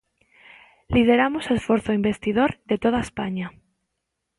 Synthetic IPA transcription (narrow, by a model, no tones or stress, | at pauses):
lið̞eɾamosesfoɾθoimbe̞st̪ið̞oɾðet̪oð̞aespaɲa